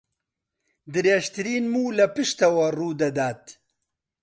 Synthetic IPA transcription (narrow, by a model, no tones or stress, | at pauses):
d̪ɨɾeːʒt̪ɨɾiːnmuːlɐpɨʃt̪ɐwɐruːd̪ɐd̪aːt̪